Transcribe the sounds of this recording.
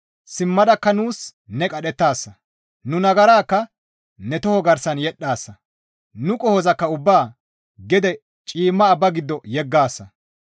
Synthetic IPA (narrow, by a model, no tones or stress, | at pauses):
sɪmːɐd̪ɐkːɐnuːsnɛkʼɐɗɛt̪ːaːsːɐ | nʊnɐɡɐɾaːkːɐ | nɛt̪ɔhɔɡɐɾsɐnjɛɗːaːsːɐ | nʊkʼɔhɔzɐkːɐʊbːaː | ɡɛd̪ɛ | t͡ʃʼiːmːɐːbːɐɡɪd̪ːɔjɛɡːaːsːɐ